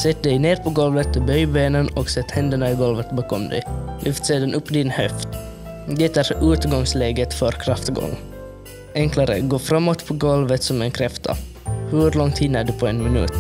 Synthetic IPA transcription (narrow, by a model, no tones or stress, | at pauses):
sɛt̪̚ːd̪ɛjneːɾpʰɔɡɔlvət̪̚ːɔbœjbeːnənɔksɛt̪ːhɛnd̪əɳaɪɡɔlvət̪bɑːkɔmd̪ɛ̰jlʔʏft̪seːd̪anʔɵpːd̪ɪnhœft̪ | d̪ɛt̪æɾʔʉːt̪ɡɔŋsleːɡət̪fœɾkʰɾaft̪ɡɔ̰ŋː | ʔɛŋklaɾə̰ɡoːfɾamːot̪pʰɔɡɔlvət̪sɔmɛnkʰɾɛft̪ʰa̰ | hɵɾlɔŋt̪hɪnːəɖɵpʰɔɛnmɪnʉ̰ːt̪